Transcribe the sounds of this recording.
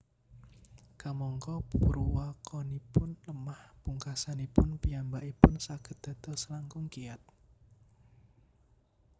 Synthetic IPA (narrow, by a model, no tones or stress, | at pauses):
kamɔŋkɔpuɾuwakɔnipʊnləmahpuŋkasanipʊnpijambaʔipʊnsaɡ̥ə̤t̪̚d̪̥a̤t̪ɔsəlaŋkʊŋkiat̪̚